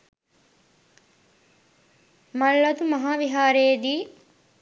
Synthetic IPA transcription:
mɐlːɐt̪umɐɦaːʋiɦaːɾeːd̪iː

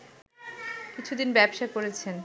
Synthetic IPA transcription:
kit͡ɕʰud̪inbɛbʃakoɾet͡ɕʰen

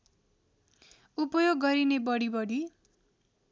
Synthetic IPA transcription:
upʌjoɡːʌɾinebʌɽibʌɽi

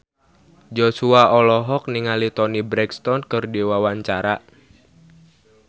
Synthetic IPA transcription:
d͡ʒosuaɔlɔɦɔk̚niŋalit̪ɔnibɾɛkst̪ɔnkərdiwawaɲt͡ʃaɾa

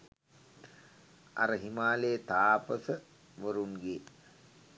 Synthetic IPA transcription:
a̰ɾəɦimaːleːt̪aːpəsə | ʋəɾunɡe

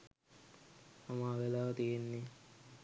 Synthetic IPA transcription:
amaːʋelaːt̪ijenːe

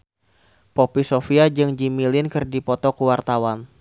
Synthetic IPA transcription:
popisofiad͡ʒɨŋd͡ʒimilɪnkɨrdipɔt̪ɔkuwart̪awan

